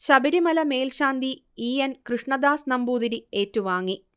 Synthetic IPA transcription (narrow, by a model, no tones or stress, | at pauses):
ɕɐbɐɾimɐlɐme̞ːlɕaːnd̪i | iːɐnkrɨʂɳɐd̪aːsnɐmbuːd̪iɾieːtːuʋaːŋːi